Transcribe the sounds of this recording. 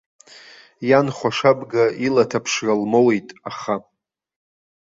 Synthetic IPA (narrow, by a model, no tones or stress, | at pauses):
janχʷaʂabɡailatʰapʰʂralmowejtʼaχa